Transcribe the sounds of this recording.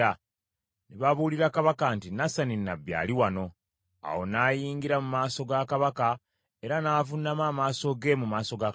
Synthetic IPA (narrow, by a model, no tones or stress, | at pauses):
a | neβaβuliɾakaβakantinasaninːabja̰ːliwano̞ | a̰wo̞naːjiːŋɡiɾamumaːso̞ɡakaβaka | e̞ɾanaːvunːamaːmaːso̞ɡe̞mumaːso̞ɡa